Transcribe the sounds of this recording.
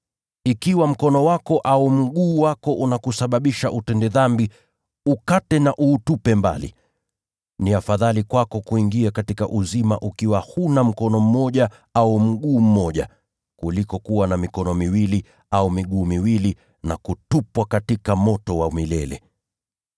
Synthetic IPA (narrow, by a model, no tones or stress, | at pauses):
ikiwam̩kɔnɔwakɔʔaum̩ɠuːwakɔʔunakusaɓaɓiʃaʔutɛndɛðambi | ukatɛnaʔuːtupɛmba̰lḭ | niafaðalikwakɔkuiŋɡiakatikaʔuzima̰ʔukiwahunam̩kɔnɔm̩mɔʄa | aum̩ɠuːm̩mɔʄa̰ | kulikɔkuwanamikɔnɔmiwili | aumiɠuːmiwili | nakutupwakatikamɔtɔwamilɛlɛ̰